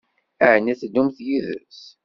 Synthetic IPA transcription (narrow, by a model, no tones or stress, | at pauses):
æʕnæθd̪umθjiðə̰s